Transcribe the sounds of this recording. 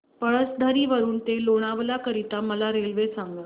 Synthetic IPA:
pəɭəsd̪ʱəɾiːʋəɾuːnt̪eloɽ̃aʋlakəɾit̪aməlaɾelʋesaŋɡa

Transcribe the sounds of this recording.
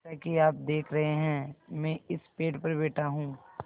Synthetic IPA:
akiaːp̚d̪eːkʰɾɐɦeɦɛ̃ːmɛ̃ːɪspeːʈpɐɾbeːʈʰaɦũː

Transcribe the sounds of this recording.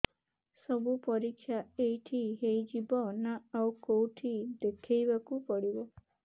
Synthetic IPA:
sɔbupɔɾikʰːjaejʈʰiɦejd͡ʒibɔnaawkowʈʰid̪ekʰejbakupɔɽibɔ

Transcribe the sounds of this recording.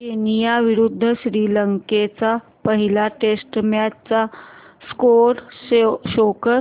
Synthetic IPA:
kenijaʋiɾud̪ʱːəɕɾiːləŋket͡sa | pəɦilaʈesʈmjat͡sa | skoɾɕokə

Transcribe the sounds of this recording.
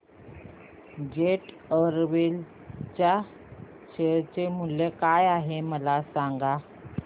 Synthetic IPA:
d͡ʑeʈ | əɾʋil | t͡ɕja | ɕeɭt͡ɕemuljekajaɦeməlasaŋɡa

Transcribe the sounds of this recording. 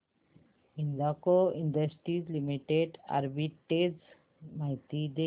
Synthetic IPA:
ĩnlaːkoɪ̃ɳɖəsʈɾiːzlimiʈeɖa̰ɾbiʈez | maɦit̪id̪e

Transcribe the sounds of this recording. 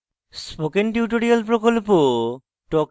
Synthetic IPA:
spokenʈiʈoɾialp̬ɾokolpo | ʈɔk

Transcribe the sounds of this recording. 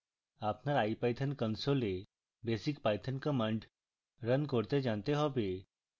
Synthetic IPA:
apnaɾaipajt̪ʰənkənsole | besikpajt̪ʰənkəməɳɖ | ɾənkoɾt̪ed͡ʒant̪eɦɔbe

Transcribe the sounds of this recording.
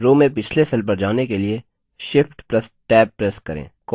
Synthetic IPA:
ɾoːmẽpɪt͡ʃʰlesɐlp̬ɐɾd͡ʒaːnekelie | ʃɪfʈplɐsʈɛːbːɾɛskɐɾḛ̃ːkɔ

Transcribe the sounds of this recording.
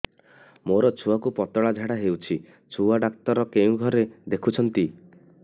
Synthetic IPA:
moɾɔt͡ʃʰuwakupɔt̪ɔɭad͡ʒʱaɽaɦewt͡ʃʰi | t͡ʃʰuaɖak̚t̪ɔɾɔkeũɡʱɔɾed̪ekʰut͡ʃʰɔnt̪i

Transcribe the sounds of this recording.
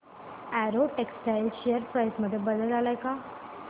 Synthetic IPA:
æɾoʈeksʈajlɕejəɾpɾajsməd̪ʱːjebəd̪ət̪alajka

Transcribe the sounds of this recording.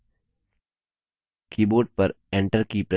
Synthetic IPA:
kʰiːboːɖ̚pɐɾ | ẽɳʈəɾkipɾe

